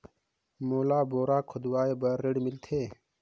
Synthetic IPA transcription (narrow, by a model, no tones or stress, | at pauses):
moːlaːboːɾaːkʰʊd̪waːebɐɾeɖmilt̪ʰeː